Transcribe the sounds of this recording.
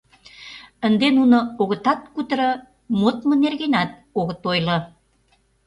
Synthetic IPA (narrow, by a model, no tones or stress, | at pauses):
ənd̪enunŏoɣə̆t̪ɑt̪̚kut̪əɾə | mot̪mə̆nerɣenæt̪̚oɣə̆t̪ojlɤ̆